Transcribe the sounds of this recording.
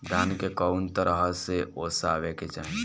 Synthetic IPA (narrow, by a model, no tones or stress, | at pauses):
d̪ʱaːnkekənt̪əɾəɦəseʔosaːʋeket͡ʃa